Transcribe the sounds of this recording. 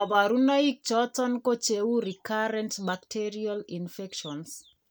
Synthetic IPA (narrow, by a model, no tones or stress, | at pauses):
ɔbaɾunaik̚t͡ʃɔtɔnkot͡ʃewuɾikaɾɛntbaktʰeɾialinfɛkʃɔns